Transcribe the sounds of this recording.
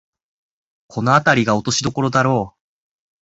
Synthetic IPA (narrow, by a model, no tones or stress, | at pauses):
kʰo̞no̞at̪aɾʲiɡao̞t̪o̞ɕid̪o̞ko̞ɾo̞d̪aɾo̞ː